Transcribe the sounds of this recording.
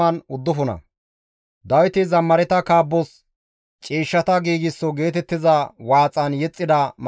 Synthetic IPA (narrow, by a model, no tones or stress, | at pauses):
ɐnʊd̪ːʊfʊnɐ̰ | d̪ɐwɪt̪ɪzɐmːɐɾɛt̪ɐkaːbːɔs | t͡ʃʼiːʃːɐt̪ɐɡiːɡɪsːɔɡe̞ːt̪ɛt̪ːɪzɐwaːt͡sʼɐnjɛt͡sʼːɪd̪ɐm